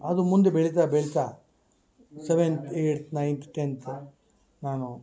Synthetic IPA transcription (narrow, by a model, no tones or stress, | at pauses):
ɐd̪umund̪ebeɭit̪̬aːbeɭit̪aː | seʋent̪ʰeːʈt̪ʰnɐjnt̪ʰʈent̪ʰ | naːnu